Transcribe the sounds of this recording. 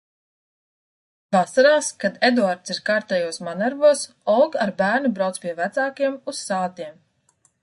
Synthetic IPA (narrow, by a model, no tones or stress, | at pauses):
vasaɾaːskad̪ed̪uaɾt̪siɾkaːɾt̪ɛjuɔsmanaɾvuɔs | ɔlˠɡaɾbæːɾnubɾawt̪spiɛvæt̪saːkiɛmusːaːt̪iɛm